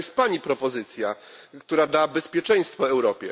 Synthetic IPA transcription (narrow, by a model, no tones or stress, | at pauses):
ɛst̪̚paɲipɾɔpɔzɘt̪sʲja | kt̪uɾad̪abɛspʲjɛt͡ʂɛ̃j̃st̪fɔɛwɾɔpʲjɛ